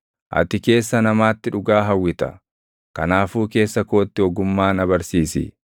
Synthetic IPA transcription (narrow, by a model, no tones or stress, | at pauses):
ʔɐ̰t̪ɪke̞ːsːɐnɐmaːt̪ːɪᶑʊɡaːɦɐwːɪt̪ɐ̰ | kɐ̰naːfuːke̞ːsːɐko̞ːt̪ːɪɔɡʊmːaːnɐbɐɾsiːsɪ̰